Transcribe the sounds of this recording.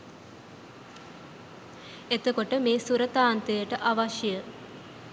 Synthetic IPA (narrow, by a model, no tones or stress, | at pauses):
et̪okoʈəmeːsuɾət̪aːnt̪əjəʈəʔaʋaʃjəjə